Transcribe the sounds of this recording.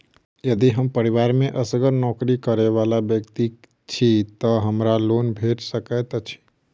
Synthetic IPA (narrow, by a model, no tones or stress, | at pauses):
jəd̪iɦəmpəɾɪʋaːɾmẽʔəsəɡəɾnɔːkɾikəɾeʋaːlabjəkt̪i | t͡ʃʰit̪əɦəmɾaloːnbʱeːʈsəkɛt̪ɔt͡ʃʰi̥